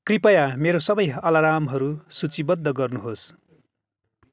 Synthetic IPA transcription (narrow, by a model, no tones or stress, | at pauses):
kripʌjameɾosʌbʌjʌlaɾamɦʌɾusut͡sibʌd̪ːʌɡʌrnuɦos